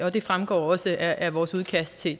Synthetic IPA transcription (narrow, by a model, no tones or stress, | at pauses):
ɒ̽d̥e̝fʁamɡ̥ɒ̰ːɒ̽səæʔæʋɒːsuð̞ˠkʰæsd̥̚t͡sʰe̝